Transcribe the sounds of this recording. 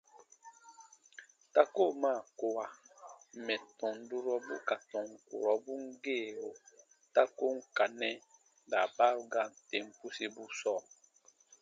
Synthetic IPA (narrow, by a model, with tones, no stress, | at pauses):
ta˦ko˦˨ma˦˨ko˦wa˦mɛ˨tɔ̃˨n˨du˦ɾɔ˦bu˦ka˨tɔ̃˨ŋ˨kṵ˨ɾɔ˨bu˦ŋ̩˦ɡeː˦˨ɾo˨ | ta˦ko˦ŋ̩˦ka˨nɛ˦ | da˨ba˦u˦ɡa˦˨n̩˨te˨m̩˦pu˦si˦bu˦sɔ˦˨